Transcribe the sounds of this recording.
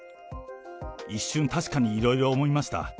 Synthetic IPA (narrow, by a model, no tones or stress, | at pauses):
iɕːɨ̃nt̪aɕi̥kaɲ̟iːɾo̞iɾo̞ːmo̞imaɕi̥t̪a̰